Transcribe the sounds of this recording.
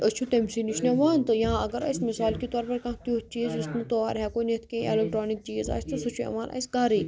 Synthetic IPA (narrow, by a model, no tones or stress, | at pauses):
ʔət͡ʃʰut̪emsiniʃʰneʋaːnt̪ɨjɐɦãɐɡɐɾɐ̰smɪsaːlkit̪ɔːɾpɐɾkãt̪juːt͡ʃiːzist̪nɨt̪oːaːɾɦɛːkoːnet̪ʰkẽːʔḛlek̚ʈɾoːnik̚t͡ʃiːza̰ːsʲt̪ɨsut͡ʃʰuḛʋaːnʔɐ̰sɡaːɾi